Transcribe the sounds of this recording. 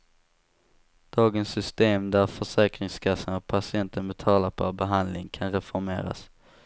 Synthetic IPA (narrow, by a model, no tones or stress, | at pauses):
d̪̥ɑːɡənsːʏst̪eːmd̪æɾfœʂɛːkɾɪŋskʰasːənɔpʰasɪɛnt̪ʰənbɛt̪ʰɑːlaɾpʰɔbɛɦand̪lɪŋkʰanɾɛfɔɾmḛːɾa̰s